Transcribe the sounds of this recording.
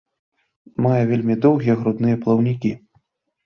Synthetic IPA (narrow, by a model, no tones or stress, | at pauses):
majɛvʲelʲmʲid̪ɔwɣʲijɛɣɾud̪nɨjɛplˠɐwnʲikʲi